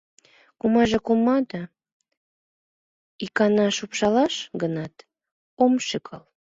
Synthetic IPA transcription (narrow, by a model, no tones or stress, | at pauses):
kumɑʒekomɑd̪ɑ | ikɑnɑʃupʃɑlɑʃɡənɑt̪ | omʃɨkʰɑl